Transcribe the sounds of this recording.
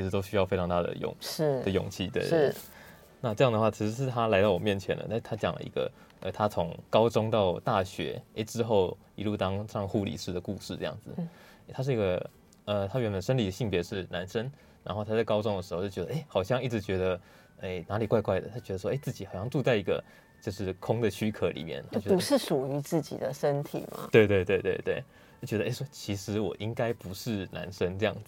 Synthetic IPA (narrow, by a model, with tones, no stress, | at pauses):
t͡ɕʰi˧˥ʂɻ̩˧˩t̪o˥ʊɕy˥jɑ˥˧fe˥ɪʈ͡ʂʰɑ˧ŋt̪a˥˩d̪ə̰˨˩jʊ̰˨˩˦ŋ̩˥ə˨jʊ̰˨˩ŋt͡ɕʰi˥˩t̪wḛ˥˩ | na˥˧ʈ͡ʂɤ˥˧jɑ˥˩ŋd̪ə˩xwa˥˩t͡ɕʰi˧˥ʂɻ̩˧˥ʂɻ̩˥˩t̪ʰa˦˥la˧˥ɪt̪ɑ˥˩wɔ˨˩mjɛ˥˩nt͡ɕʰjɛ̰˧˦nə̰˧t̪t̪ʰa˥t͡ɕjɑ̰˨˩ŋlə̰˧ḭ˧˥ɡə̰˧ | ə̰˨˩t̪ʰa˥t͡sʰʊ˧˦˥ŋkɑ˥ʊʈ͡ʂʊ˥ŋt̪ɑ˥˧ʊt̪a˥˩ɕɥɛ̰˧˥e˥ɪʈ͡ʂɻ̩˧˥xo˥˩ʊ | ḭ˧lu˥˧t̪ɑ˥ŋʂɑ˥˧ŋxu˥˧˩lḭ˨˩ʂɻ̩˥˩d̪ə˩ku˥˧ʂɻ̩˥˧ʈ͡ʂɤ˥˧jɑ̰˥˩ŋd͡zɹ̩˩˥˩ | t̪ʰa˥ʂ̬̩˥˩i˧˥ɡə˧ | ə˩t̪ʰa˥ɥɛ˧˥nmə˨˩nʂə˥nli˨˩ə˩ɕi˥˩ŋpjɛ˧˥ʂɻ̩˥˩na˧˥nʂə˦˥n | ɻa˧˥nxo˥˩t̪ʰa˥t͡sa˥˩ɪkɑ˥ʊʈ͡ʂʊ˥˩ŋd̪ə˩ʂɻ̩˧˥xo˥˧t͡ɕo˥˩t͡ɕɥɛ˧d̪ə˧ʔe˥˩ɪxɑ˨˩ʊɕjɑ˥˧ŋi˥˩ʈ͡ʂɻ̩˧˥t͡ɕɥɛ˧˥d̪ə˧ | e˥˩ɪna˧˥li˨˩kwa˥˧ɪkwa˥˩ɪd̪ə˨˩a˥t͡ɕɥɛ˧˥ə˧ʂwɔ˥e˥ɪt͡sɹ̩˥˩t͡ɕi˨xɑ˨˩ʊɕjɑ˥˧ŋʈ͡ʂu˥˧t͡sa˥˩ɪi˧˥ɡə̰˧ | t͡ɕjo˥˧ʊʂɻ̩˥˩kʰʊ˥ŋd̪ə˨t͡ɕʰy˥kʰɤ˧˩lḭ˨˩mjɛ̰˥˩nt̪ʰa˥t͡ɕɥɛ˧˥u˧˦ʂɻ̩˥˩ʂu˨˩y˧˥t͡s̩˥˩t͡ɕḭ˨˩d̪ə˦ʂə˦nt̪ʰḭ˨˩ma̰˨˦t̪we˥˧ɪt̪we˥˧ɪt̪we˥˧ɪt̪we˥˧ɪt̪we˥˩ɪ | a˥˩t͡ɕɥɛ˧˥d̪ə˧e˥˩swɔ˥t͡ɕʰi˧˥ʂɻ̩˧˥wɔ˨˩ʔi˦ŋka˥ɪpu˧˦ʂɻ̩˥˩na̰˧˥nʂə˥nʈ͡ʂɤ˥˧jɑ˥˩ŋd͡z